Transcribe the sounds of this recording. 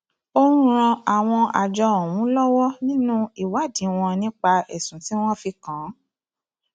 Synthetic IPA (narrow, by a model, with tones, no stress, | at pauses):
o˦ũ˦ɾ̃ã˧a˨w̃ɔ̃˧a̰˨d͡ʒɔ˧o˨w̃ũ˨˦lɔ˦wɔ˦nĩ˦nũ˦i˦˨wa˨˦˨dĩ˨˦w̃ɔ̃˧nĩ˦k͡pa˧ɛ˨sũ˨ti˨˦w̃ɔ̃˦fi˧kã˨˦